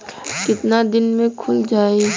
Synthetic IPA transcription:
kɪt̪nad̪ɪnmẽkʰʊld͡ʒaːeː

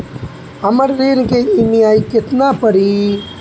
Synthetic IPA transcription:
ɐmɐɽɾeːnkeimiaːjket̪naːpəɾi

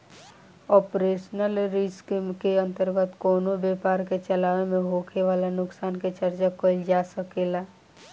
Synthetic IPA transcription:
ɔːpɾeːʃnəlɾiskkeə̃nt̪əɾɡət̪koːnobeːpaːɾket͡ʃəlaːʋemẽɦoːkʰeʋaːlanʊksaːnket͡ʃəɾt͡ʃakold͡ʒaːsəkelaː

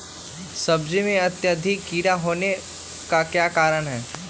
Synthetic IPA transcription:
sɐbd͡ʒimẽɐt̪jəd̪ʱikːiːɾaɦoːne | kakjaːkaːɾəɽɦɛː

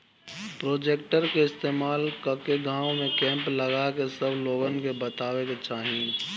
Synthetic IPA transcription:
pɾoːd͡ʒeːk̚ʈəɾkeɪst̪eːmaːlkəkeɡãːwmẽkɛ̃ːmpləɡakesəbloːɡənkebət̪aːweket͡ʃaːɦĩ

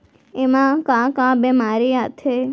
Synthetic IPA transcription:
emãkãkãbɛmaɾiat̪ʰe

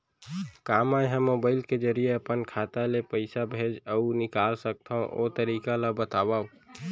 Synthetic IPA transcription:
kaːmajɦəmːoːbaːɪlked͡ʒəɾijeəpənkʰat̪alepəɪsabʱed͡ʒəunɪkaːlsək̚t̪ʰaõʔo̰t̪əɾiːkaləbət̪aːbau

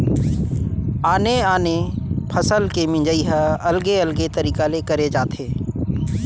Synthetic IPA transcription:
aːneːaːnepʰəsəlkemɪ̃d͡ʒəiːɦəəlɡeːəlɡet̪əɾiːkaːleːkəɾeːd͡ʒaːt̪ʰeː

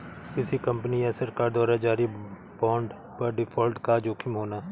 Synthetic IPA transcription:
kɪsikɐ̃mpəniasəɾkaːɾd̪ɔːɾad͡ʒaːɾi | bɔ̃ːɳɖ | pɐɾɖɪpʰɔːlʈkaːd͡ʒoːkʰɪmɦoːnaː

